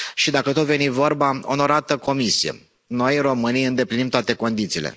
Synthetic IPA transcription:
ʃid̪akət̪ot̪ve̞nivo̞rbaono̞ɾat̪əko̞misijḛ | no̞jro̞mɨnijɨnd̪e̞plinimt̪oat̪e̞ko̞nd̪it̪siːle̞̰

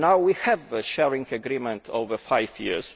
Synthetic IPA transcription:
nawwihɛvəʃɛɹĩŋɡəɡɾimɛ̃ntʰo̰vəfajvjḭz̥

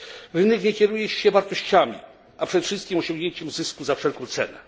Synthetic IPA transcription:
ɾɘnɛkɲɛkʲɛɾujɛt͡ɕi̥ɕɛvaɾt̪ɔɕt͡ɕamʲḭ | apʂɛd̪ɛfʂɨst̪̚kʲimɔɕɔ̃ŋɡɲeɲt͡ɕɛmzɘskuzafʂɛlkɔ̃w̃t̪sɛ̰nɛ̰

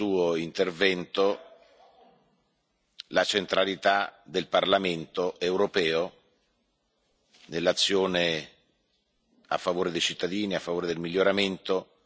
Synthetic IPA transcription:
uːoint̪ervɛnt̪o | lat͡ʃent̪ɾalit̪ad̪elparlament̪oʔewɾopɛːo | nelːat̪sːjoːne | a̰fːavoːɾed̪ejt͡ʃit̪ːad̪iːniafːavoːɾed̪elmiljoɾament̪o

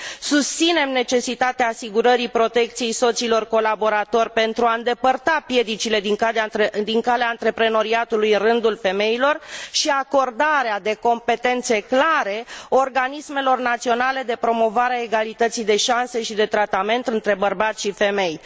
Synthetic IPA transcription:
sust̪sine̞mne̞t͡ʃe̞sit̪at̪eaːsiɡuɾəɾipɾo̞t̪e̞k̚t̪sije̞jso̞t̪silo̞rko̞labo̞ɾat̪o̞rʲpe̞nt̪ɾuaɨnd̪e̞pərt̪apje̞d̪it͡ʃile̞d̪iŋad̪iŋkaleaɨnt̪ɾe̞pɾe̞no̞ɾiat̪ulujɨnrɨnd̪ulfe̞me̞ilo̞rʃiako̞rd̪aɾead̪e̞ko̞mpe̞t̪e̞nt̪se̞klaɾe̞orɡanisme̞lo̞rnat̪sio̞nale̞d̪e̞pɾo̞mo̞vaɾeae̞ɡalit̪ət̪sijd̪e̞ʃanse̞ʃid̪e̞t̪ɾat̪ame̞nt̪ɨnt̪ɾe̞bərbat̪sʃife̞me̞j

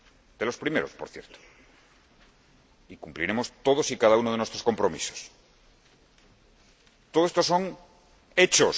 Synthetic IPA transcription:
d̪̥elo̞spɾime̞ɾospo̞ɾθjeɾt̪o̥ | ikumpliɾe̞mo̞st̪oð̞osikaðaunoð̞enwest̪ɾosko̞mpɾomḭso̥s | t̪oðoest̪o̞so̞ŋ | et͡ʃos

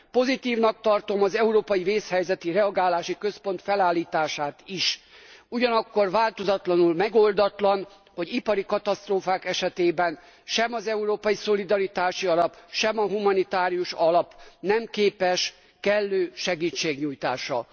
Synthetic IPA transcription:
po̞zit̪iːvnɒk̚t̪ɒrt̪o̞mɒzɛuɾoːpɒjiveːshɛjzɛt̪irɛɒɡaːlaːʃikø̞spo̞nt̪fɛlaːlːiːt̪aːʃaːt̪iʃuɟɒnɒkːo̞rvaːlt̪o̞zɒt̪lɒnulmɛɡo̞ld̪ɒt̪lɒn | ho̞ɟipɒɾikɒt̪ɒst̪roːfaːkɛʃɛt̪eːbɛn | ʃɛmɒzɛuɾoːpɒjiso̞lid̪ɒɾit̪aːʃiɒlɒpʃɛmɒɦumɒnit̪aːɾijuʃɒlɒpnɛmkeːpɛʃ | kɛlːøːʃɛɡiːt͡ʃːeːɡɲuːjt̪a̰ːʃɒ

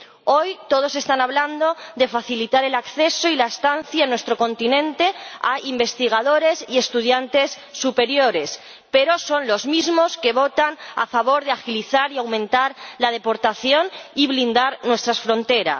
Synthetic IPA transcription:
o̞jt̪o̞ð̞o̞se̞st̪anaβland̪o̞ðe̞faθilit̪aɾe̞lakθe̞soilaest̪an̟θjanwe̞st̪ɾo̞ko̞nt̪inẽ̞nt̪e̞a̰imbe̞st̪iɣ̞að̞o̞ɾe̞sie̞st̪uðjant̪e̞sːupe̞ɾjo̞ɾe̞s | pe̞ɾo̞so̞nlo̞zmizmo̞ske̞βo̞t̪ana̰faβo̞ɾðeaxiliθaɾiawmẽnt̪aɾlað̞e̞po̞ɾt̪aθjoniβlind̪aɾnwe̞st̪ɾasfɾo̞nt̪e̞ɾa̰s

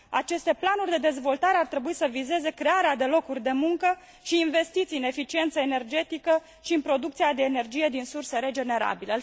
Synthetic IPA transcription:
at͡ʃe̞st̪e̞planurʲd̪e̞d̪e̞zvo̞lt̪aɾe̞art̪ɾe̞buisəvize̞ze̞kɾe̞aɾead̪e̞lo̞kurʲd̪e̞muŋkə | ʃiːnve̞st̪it̪siɨne̞fit͡ʃie̞nt̪səe̞ne̞rd͡ʒe̞t̪ikə | ʃiɨnpɾo̞d̪uk̚t̪siad̪e̞ːne̞rd͡ʒije̞d̪insurse̞ɾe̞d͡ʒe̞ne̞ɾa̰bile

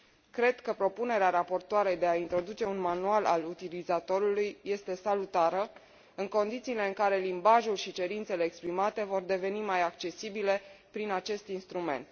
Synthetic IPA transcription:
kɾe̞d̪kəpɾo̞pune̞ɾeaɾapo̞rt̪oaɾejd̪e̞aint̪ɾo̞d̪ut͡ʃe̞unmanuala̰lut̪ilizat̪o̞ɾulujːe̞st̪e̞salut̪aɾə | ɨŋko̞nd̪it̪siːle̞ɨŋkaɾe̞limbaʒulʃit͡ʃe̞ɾint̪se̞le̞ːkspɾimat̪e̞vo̞rd̪e̞ve̞nimajak̚t͡ʃe̞sibile̞pɾinat͡ʃe̞st̪inst̪ɾume̞̰nt̪̚

